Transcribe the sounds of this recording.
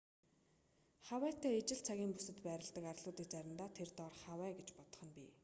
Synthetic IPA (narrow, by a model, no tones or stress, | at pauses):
χawæːt̪ʰæːet͡ɕɪ̆ɮt͡sʰaɣʲiːmpusɘ̆t̪pæːɾʲɪ̆ɮt̪ə̆karɮʊːt̪iːk̚t͡sæɾʲɪ̆nt̪aːt̪ʰert̪ɔrχawæːɡet͡ɕpɔt̪ɞ̥̆χə̆npʲiː